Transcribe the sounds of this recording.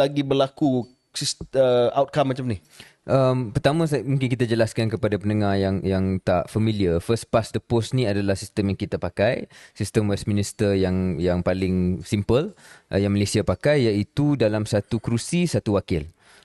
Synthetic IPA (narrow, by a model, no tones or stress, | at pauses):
laɡibərlaku | sisəawt̪̚kamːat͡ʃamnih | ʔəmpərt̪amə̃smũŋkɪnkit̪ad͡ʒəlaskankəpadapənəŋahjaŋjaŋt̪aʔfamiliəfəs̚pasdəposnĩadalahsist̪əmjaŋkit̪apakajsist̪əmwɛsminist̪əjaŋjaŋpalɪŋsimpəlʔjaŋmalesiapakajːait̪udalamsat̪ukɾusisat̪uwakɪl